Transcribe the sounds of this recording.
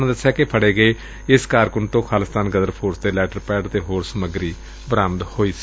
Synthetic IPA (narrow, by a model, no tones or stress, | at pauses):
nãd̪əsːjaːkɪpʰəɽeːɡəeː | ɪskaːɾkʊɳɖt̪õːkʰaːlɪst̪aːnɡəd̪əɾpʰoːɾsd̪eːlɛːʈəɾpɛːɖt̪eːɦoːɾsəməɡɾiː | bəɾaːməd̪hoːiːs